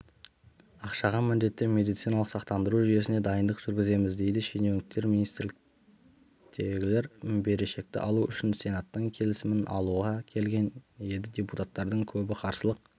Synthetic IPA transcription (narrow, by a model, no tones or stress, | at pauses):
ɑqʃɑʁɑmɪnd̪e̞t̪ːɪmʲe̞d̪ijt̪sinɑlˠəqsɑqt̪ɑnd̪əɾuʒʏje̞sɪne̞d̪ɑjənd̪əqʒ̥ʏɾɡʲɪze̞mɪzd̪e̞jd̪ɪʃenewnɪk̚t̪e̞ɾminijst̪ɾlɪk | t̪ʰe̞ɡʲɪle̞ɾbe̞ɾe̞ʃe̞k̚t̪ɪ̰ʔɑlˠuʏʃɪnse̞nɑt̪ːəŋkʲʰe̞lɪsɪmɪnʔɑ̰lˠuʁɑkʲʰe̞lɡʲe̞nje̞d̪ɪd̪ʲeput̪at̪ːɑɾd̪əŋkʲʰɵbɪqʰɑɾsəlˠəq̚